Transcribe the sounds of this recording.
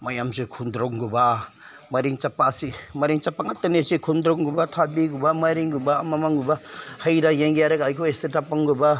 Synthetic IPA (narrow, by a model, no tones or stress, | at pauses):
majamzekʰundɾɔŋɡuba | mɐɾiŋt͡ʃapːasimɐɾiŋt͡ʃapaŋatːanisikʰundɾɔŋɡubatʰabiɡubamaɾiŋɡubaːmamaŋɡubahajdajeŋɡijaɾeɡajkʰuesetʰapaŋɡuba